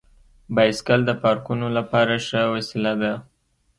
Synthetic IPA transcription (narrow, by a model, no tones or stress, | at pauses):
bɑjskald̪əpɑɾkunolapɑɾaʂəwasɪlad̪a